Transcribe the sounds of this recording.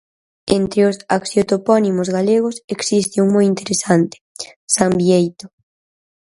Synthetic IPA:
ent̪ɾeʊsaksjot̪opɔnimʊzɣaleɣ̞ʊseksist̪ɪuŋmojint̪eɾesant̪ɪ̥sambiejt̪ʊ̥

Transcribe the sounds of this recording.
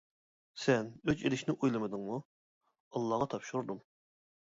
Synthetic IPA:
sɛnøt͡ʃelɪʃnɪʔujlˠɨmɨd̪ɨŋmu | ɑlˠːɑʁɑt̪ʰɑpʃuɾd̪um

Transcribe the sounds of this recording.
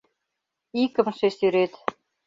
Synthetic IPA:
ikɘ̆mʃesyɾet̪

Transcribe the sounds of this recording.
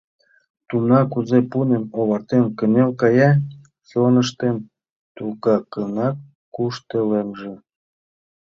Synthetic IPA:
t̪unɑkuzepunemoβɑrt̪emkə̆nelkɑjɑ | sonəʃt̪em | t̪ukɑkɤnɑkː | uʃt̪elemʒĕ

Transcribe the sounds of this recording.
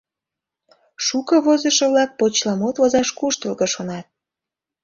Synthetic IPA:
ʃukɤβozəʃə̆βlɑk̚pot͡ɕlɑmot̪ozɑʃkuʃt̪əlɣəʃonɑt̪̚

